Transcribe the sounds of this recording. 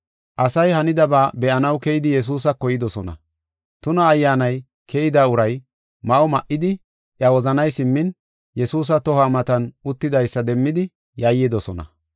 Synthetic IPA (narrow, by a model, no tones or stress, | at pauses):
ʔɐsɐjhɐnɪd̪ɐbaːbɛʔɐnɐwkɛjɪd̪ɪjɛs̬uːs̬ɐkɔjɪd̪ɔsɔnɐ̰ | t̪ʊnɐːjːaːnɐj | kʰɛjɪd̪aːʊɾɐj | mɐʔɔmɐʔɪd̪ɪ | ʔjɐwɔzɐnɐjsɪmːɪn | jɛsuːs̬ɐt̪ɔhaːmɐt̪ɐnʊt̪ːɪd̪ɐjsːɐd̪ɛmːɪd̪ɪ | jɐjɪd̪ɔsɔnɐ̰